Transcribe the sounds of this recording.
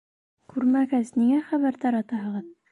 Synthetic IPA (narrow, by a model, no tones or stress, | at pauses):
kʉɾmæɡɘzniŋæχæβæɾt̪ɑɾɑt̪ɑɦɤ̆ʁɤð